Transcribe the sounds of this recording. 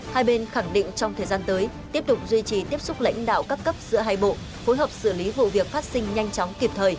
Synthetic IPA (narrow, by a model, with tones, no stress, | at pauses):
haː˧jɓe˧nxa˧˩ŋɗḭ̈˧˨ŋ̟t͡ɕɔ˧wŋ͡mt̪ʰəː˨˩jzaː˧nt̪əː˨˦jt̪i˦˥əp̚t̪ʊ˨˩k͡p̚zwi˧t͡ɕi˨˩t̪i˦˥əp̚sʊ˦˥k͡p̚la̰˧˥ŋ̟ɗa̰ː˧˨wkaː˦˥kːə˦˥p̚zɨ̰˧˥əɦaː˧jɓo̰˧˨ | fo˨˦jɦə˨˩p̚sɨ˧˩li˨˦vṵ˧˨vi˨˩ək̚faː˦˥t̚sï˧ŋ̟ɲa˧jŋ̟t͡ɕɔ˨˦wŋ͡mki˨˩p̚t̪ʰəː˨˩j